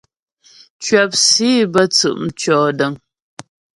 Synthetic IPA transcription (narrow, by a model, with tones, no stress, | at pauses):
t͡ʃɥɛ˨p̚si˦bə˦t͡sɨ̰˨ʔm̩˨t͡ʃɔː˨də˨ŋ